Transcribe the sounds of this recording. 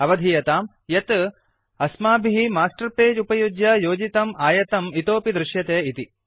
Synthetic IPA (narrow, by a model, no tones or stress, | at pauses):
ɐʋɐd̪ʱijɐt̪aːm | jɐt̪ | ɐsmaːbʱiɦimaːsʈɐɾpeːd͡ʒupɐjud͡ʒjɐjoːd͡ʒit̪ɐmaːjɐt̪ɐmit̪oːpid̪ɾɪʃjɐt̪eːit̪i